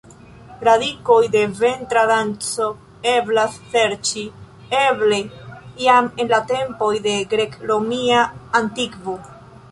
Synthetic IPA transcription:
ɾadiko̞jde̞ve̞ntɾadant͡so̞ | e̞blasse̞ɾt͡ʃi | e̞ble̞iamenlate̞mpo̞jde̞ɡɾe̞kɾomiaːntikvo

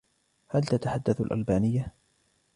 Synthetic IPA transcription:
halt̪at̪aħad̪ːaθa̰lʔa̰lbaːnɪjːa

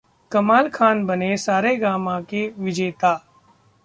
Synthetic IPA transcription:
kɐmaːlkʰaːnbɐnesaːɾeɡaːmãkeʋɪd͡ʒeːt̪aː

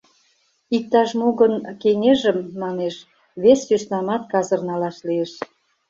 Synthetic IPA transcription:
ik̚t̪ɑʃmoɣənkeŋeʒə̆mːɑneʃ | βesːyʃnɑmɑt̪̚kɑzɤ̆rnɑlɑʃlieʃ

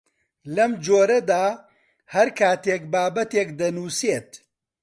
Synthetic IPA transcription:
lɐmd͡ʒoːɾɐd̪aː | hɐɾkʰaːt̪eːk̚baːbɐt̪eːk̚d̪ɐnuːseːt̪

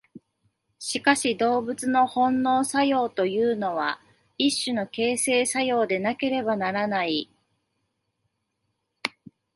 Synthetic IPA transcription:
ɕikaɕid̪o̞ːbɯ̟t͡sɨno̞hõ̞nːo̞ːsajo̞ːt̪o̞jɯ̟ːno̞βa | iɕːɨno̞ke̞ːse̞ːsajo̞ːd̪e̞nake̞ɾe̞banaɾanai

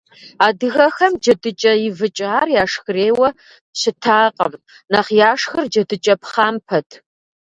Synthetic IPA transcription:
aːdɨɣɐxɐmd͡ʒɐdɨt͡ʃʼɐjɪvɨt͡ʃʼaːrjaːʂxɨreːwɐ | ɕɪtʰaːqʼɐ̰m | nɐχjaːʂxɨrd͡ʒɐdɨt͡ʃʼɐpʰχaːmpʰɐtʰ

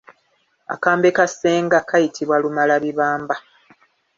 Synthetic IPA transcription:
a̰kaːmbe̞kase̞ːŋɡakajitʰiβwalumalaβiβaːmba

